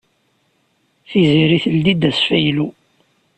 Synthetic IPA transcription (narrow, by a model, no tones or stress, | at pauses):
θiziɾiθəld̪id̪æsfæjlu